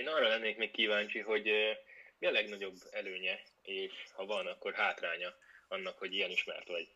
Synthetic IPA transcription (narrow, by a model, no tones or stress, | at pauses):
eːnɒrːɒlɛnːeːkmeːkkiːvaːnt͡ʃiɦo̞ɟ | miɒlɛɡnɒɟo̞bːɛløːɲɛ | eːʃhɒvɒnɒkːo̞rɦaːt̪raːɲɒɒnːɒkho̞ɟiɛniʃmɛ̰rt̪ʋɒɟ